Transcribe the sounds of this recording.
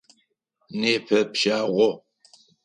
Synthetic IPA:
neːpʰɐpʃaːʁʷɔ

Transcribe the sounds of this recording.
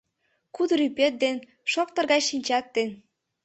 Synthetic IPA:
kud̪ɾypet̪̚d̪en | ʃok̚t̪ə̆rɣɑjʃinʲt͡ɕɑt̪ːen

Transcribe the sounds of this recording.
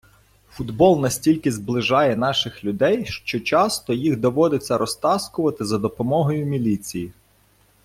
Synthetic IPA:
fʊd̪bɔlˠnɐsʲtʲilʲkɪzblˠɪʒɑjɛnɑʃɪxlʲʊd̪ɛjʃt͡ʃɔt͡ʃɑst̪ɔjiɣd̪ɔʋɔd̪ɪt͡sʲːɐɾɔst̪ɑskʊʋɐt̪ɪzɐd̪ɔpɔmɔɦɔjʊmʲilʲit͡sʲiji

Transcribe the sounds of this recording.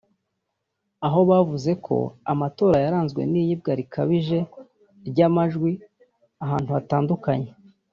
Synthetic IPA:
aɦo̞βavuze̞kʰo̞̰a̰mato̞ːɾajaɾaːnzɡwe̞̰niːjib̚ɡaɾikʰaβiʒe̞ | ɾɟamaʒɡwi | aɦaːn̥huataːndukaɲe̞

